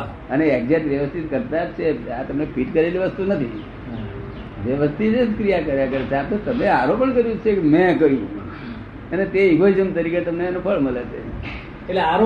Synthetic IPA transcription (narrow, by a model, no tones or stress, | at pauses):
əneːk̚d͡ʒeʈʋjəʋəst̪ʰit̪kəɾt̪aɾt͡ʃʰea̰t̪əmnepiʈkəɾeliʋəst̪unət̪ʰḭ | d͡ʒjəʋəst̪ʰit̪eskɾijakəɾjakəɾet͡ʃʰeat̪ot̪əmneaɾopəɳkəɾjũt͡ʃʰekemɛ̃kəɦjũ | ənet̪eiɡʱojd͡ʒəmt̪əɾiket̪əmnenupʰəɭməlet͡ʃʰḛ | eʈleaɾ